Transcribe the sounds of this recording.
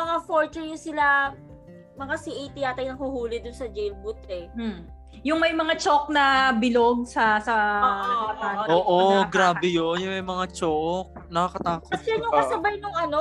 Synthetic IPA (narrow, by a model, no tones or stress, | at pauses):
mɐŋafoɹt͡ʃɛɹjʊŋsɪla | mɐŋasiʔɐjt̪iaːt̪ɐjnɐŋhuhuːlɪd̪ʊnsɐd͡ʒɛjlbʊt̪ɛm̩ | jʊŋmɐjmɐŋat͡ʃok̚nɐbɪloɡ̚sɐsɐɐɐɐt̪aːnoːʔoɡɾaːbɛjonjʊŋmɐjmɐŋat͡ʃok̚nɐkakɐt̪aːkosɛɐnʊŋkɐsɐbajnʊŋʔɐno